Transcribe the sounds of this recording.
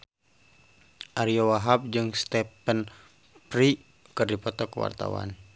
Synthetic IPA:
ʔaɾiɔwaɦap̚d͡ʒɨŋst̪ɛpən | pɾi | kɨrdipɔt̪ɔkəwa̰rt̪a̰wa̰n

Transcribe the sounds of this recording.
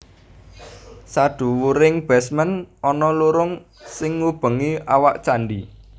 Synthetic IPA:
saɖ̥ṳwuɾɪŋb̥ɛsmənɔnɔluɾʊŋ | sɪŋːub̥ə̤ŋiawaʔt͡ʃaɳɖi

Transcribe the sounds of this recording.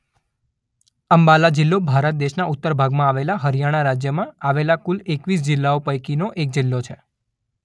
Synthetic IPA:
əmbalad͡ʒɪlːobʱaɾət̪̚d̪eʃnaʔut̪ːəɾbʱaɡmãaʋelaɦəɾijaɽ̃aɾad͡ʒjəmãaʋelakulekʋis̬d͡ʒɪlːaopəjkinoʔek̚d͡ʒɪlːot͡ʃʰe

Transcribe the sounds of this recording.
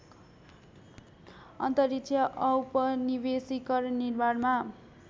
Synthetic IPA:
ʌ̰nt̪ʌrikt͡sʰjʌʔʌwpʌnibesikʌrnirmarma

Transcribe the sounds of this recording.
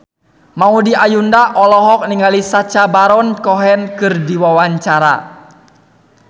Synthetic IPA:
maudiajundaʔɔlɔɦɔk̚niŋalisat͡ʃabaɾɔnkɔɦɛnkɨrdiwawaɲt͡ʃaɾa̰

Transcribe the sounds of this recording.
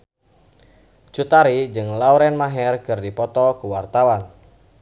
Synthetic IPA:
t͡ʃut̪aɾid͡ʒɨŋlauɾɛnmaɦɛrkɨrdipɔt̪ɔkuwart̪awan

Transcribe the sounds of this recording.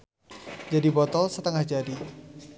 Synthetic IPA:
d͡ʒadibɔt̪ɔlsət̪əŋahd͡ʒadi

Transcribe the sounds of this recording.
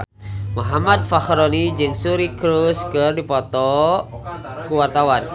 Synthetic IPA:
muɦamad̪̚faxɾonid͡ʒɨŋsuɾikɾuskɨrdipɔt̪ɔ | kuwart̪awan

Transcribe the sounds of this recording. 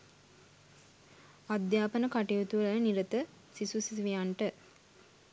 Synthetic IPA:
ad̪jaːpənəkaʈijut̪uʋləniɾət̪ə | sisusiʋijaɳʈə

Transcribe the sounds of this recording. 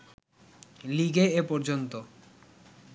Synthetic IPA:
liɡeepɔɾd͡ʑont̪o

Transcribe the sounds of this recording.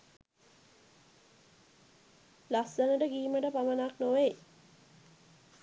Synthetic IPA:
lasd̪ənəʈəɡiːməʈəpamənaknoʋej

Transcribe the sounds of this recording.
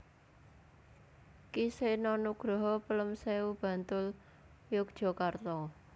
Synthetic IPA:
kisenɔnuɡ̥ɾɔɦɔpələmseub̥ä̤nt̪ʊl | jʊk̚d̥ʒ̥ɔ̤kart̪ɔ

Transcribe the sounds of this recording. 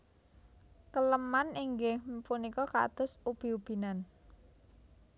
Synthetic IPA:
kələmaniŋɡehpunikɔka̰t̪ʊ̤sub̥i̤ub̥i̤nan

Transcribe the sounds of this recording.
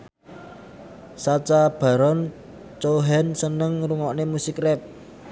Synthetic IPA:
sat͡ʃab̥ä̤ɾɔn | t͡ʃoɦɛnsənəŋruŋɔʔnemusikrɛp̚

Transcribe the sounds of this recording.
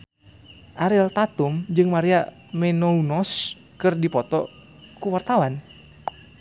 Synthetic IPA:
ʔaɾɪlt̪at̪umd͡ʒɨŋmaɾia | mɛnounɔs | kɨrdipɔt̪ɔ̰ | kuwart̪awan

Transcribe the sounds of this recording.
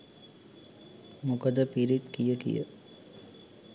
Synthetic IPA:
mukəd̪əpiɾit̪kijəkḭjə̰

